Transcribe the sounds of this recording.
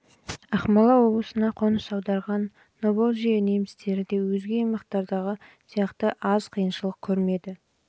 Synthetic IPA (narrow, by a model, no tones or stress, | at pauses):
ɑχmɑlˠɑwo̞blˠəsənɑqʰonəsɑwd̪ɑɾʁɑnː | obelˠʒijɑne̞mɪst̪e̞ɾɪd̪e̞wɵzɡʲe̞ːjmɑqt̪ɑɾd̪ɑʁəsijɑqt̪əʔɑz̥qʰijənʃəlˠəq̚kʲʰɵɾme̞d̪ɪ